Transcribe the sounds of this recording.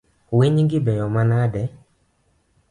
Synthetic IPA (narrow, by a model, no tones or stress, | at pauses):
weɲiŋɡibɛjɔmanadɛ